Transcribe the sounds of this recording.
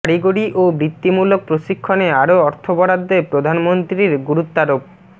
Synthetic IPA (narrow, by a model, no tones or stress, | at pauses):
aɾiɡoɽiʔobɾit̪ːimulok̚pɾoʃikʰːoneaɾoɔɾt̪ʰobɔɽad̪ːepɾod̪ʱanmont̪ɾiɾɡuɾut̪ːaɾop̚